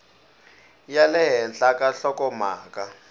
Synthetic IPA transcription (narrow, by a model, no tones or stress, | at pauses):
jalɛɦɛnɬakaɬɔkɔma̰ːkʼa